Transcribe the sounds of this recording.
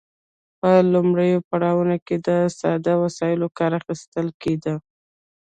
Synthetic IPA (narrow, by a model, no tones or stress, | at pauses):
pəlumɽəjopaɽɑwənoked̪əsɑ̰d̪awasɑjɪlokɑɾaxist̪əlked̪ə